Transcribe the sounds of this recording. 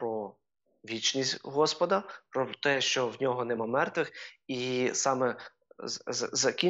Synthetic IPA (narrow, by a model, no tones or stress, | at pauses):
pɾɔ | ʋʲit͡ʃnʲisʲtʲɦɔspɔd̪ɐpɾɔt̪ɛʃt͡ʃɔwnʲɔɦɔnɛmɑmɛrt̪ʋɪxisɑmɛ | ɐzɐkʲi